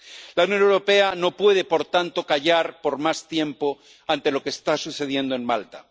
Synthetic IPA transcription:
launjo̞newɾo̞pe̞ano̞pwe̞ð̞e̞po̞ɾt̪ant̪o̞kaʝaɾpo̞ɾmast̪je̞mpo̞ | ant̪e̞lo̞kest̪asuθe̞ð̞je̞nd̪oe̞nmalt̪a

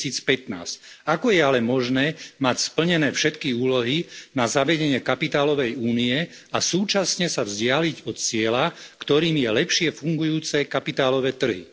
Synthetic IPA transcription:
iːt͡spɛt̪na̰ːscakɔjɛalɛmɔʒnɛːmacspl̩ɲɛnɛːfʃɛt̪kiuːlɔɦinazaʋɛɟɛɲɪɛkapit̪aːlɔʋɛjuːniɛ | asuːt͡ʃasɲɛsavzɟɪaliɟɔt̪t͡sɪɛlakt̪ɔɾiːmjɛlɛpʃɪɛfuŋɡujuːt͡sɛkapit̪aːlɔʋɛːt̪r̩ɦḭ

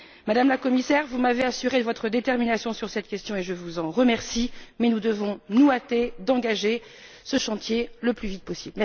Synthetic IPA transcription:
mad̪amlakɔmisɛʁvumaveasyʁed̪əvɔt̪χəd̪et̪ɛʁminasjɔ̃syʁsɛt̪kʲɛst̪jɔ̃eʒəvuzɑ̃ʁəmɛʁsimɛnud̪əvɔ̃nuat̪ed̪ɑ̃ɡaʒe | səʃɑ̃t̪jeləplyvit̪̚pɔsiblmɛ

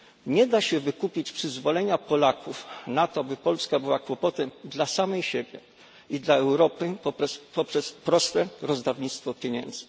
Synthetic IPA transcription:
ɲɛd̪aɕɛvɘkupʲit͡ɕpʂɘzvɔlɛɲapɔlakufnat̪ɔabɘpɔlskabɘwakwɔpɔt̪ɛmd̪lasamɛjɕebʲjɛ | id̪laɛwɾɔpɘpɔpɔpʂɛspɾɔst̪ɛɾɔzd̪avɲit̪st̪fɔpʲjeɲɛ̰nd̪zɘ

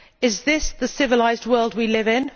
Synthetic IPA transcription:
ɪzðɪsðəsɪvəlaɪzd̚wɜːlˠd̚wilɪvɪ̃n

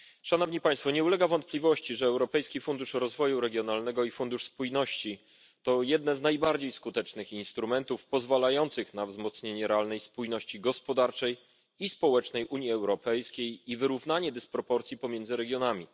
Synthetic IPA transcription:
ʂanɔvɲipaj̃st̪fɔɲɛulɛɡavɔnt̪̚plʲivɔɕt͡ɕiʐɛːwɾɔpɛjskʲifund̪uʂɾɔzvɔjuɾɛɡʲjɔnalnɛɡɔifund̪uʂspujnɔɕt͡ɕi | t̪ɔjɛd̪̚nɛznajbaɾd͡ʑejskut̪ɛt͡ʂnɘxinst̪ɾumɛnt̪ufpɔzvalajɔnt̪sɘxnavzmɔt̪sɲeɲɛɾɛalnɛjspujnɔɕt͡ɕiɡɔspɔd̪aɾt͡ʂɛj | ispɔwɛt͡ʂnɛjʔuɲjiɛwɾɔpɛjskʲejivɘɾuvnaɲɛd̪ɛspɾɔpɔɾt̪sʲipɔmʲjɛndzɘɾɛɡʲjɔnamʲḭ

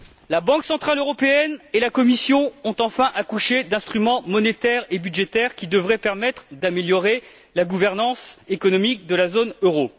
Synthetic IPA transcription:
labɑ̃ksɑ̃t̪χaløʁɔpeɛnelakɔmisjɔ̃ɔ̃t̪ɑ̃fɛ̃ʔakuʃed̪ɛ̃st̪χymɑ̃mɔnet̪ɛʁebyd̪ʒet̪ɛʁkʲid̪əvʁɛpɛʁmɛt̪χd̪ameljɔʁe | laɡuvɛʁnɑ̃sekɔnɔmik̚d̪əlazonøʁo

